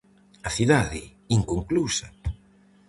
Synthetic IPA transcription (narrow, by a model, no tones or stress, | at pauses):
ɐθiðaðɪ | iŋkoŋklusa